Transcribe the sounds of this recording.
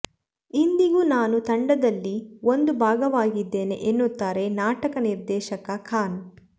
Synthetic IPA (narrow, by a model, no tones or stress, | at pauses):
ind̪iɡunaːnut̪ɐɳɖɐd̪ɐlːio̞nd̪ubʱaːɡɐʋaːɡid̪ːe̞ːne̞̰ʔenːut̪ːaːɾe̞naːʈɐkɐniɾd̪ɛːʃɐkɐkʰaːn